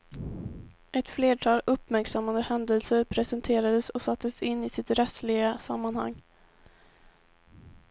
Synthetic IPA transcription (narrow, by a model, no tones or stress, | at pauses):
ʔɛt̪fleːʈʰɑːlɵpːmæɾksamːand̪əhɛnd̪əlsəɾpʰɾɛsɛnt̪ʰeːɾad̪əsɔsat̪ʰːəsɪnːɪsɪt̪ɾɛt̪slɪɡasamːanha̰ŋː